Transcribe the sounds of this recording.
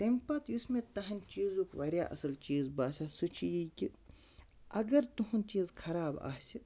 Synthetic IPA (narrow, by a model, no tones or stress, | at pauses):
t̪empɐːt̪jusmẽt̪ɐɦɐnʲt͡ʃiːzuːkʋɐɾʲja̰ːʔɐ̰sɐlt͡ʃiːzbaːsʲasut͡ʃʰijiːki | ɐɡɐɾt̪uɦunt͡ʃiːzkʰɐɾaːba̰ːsi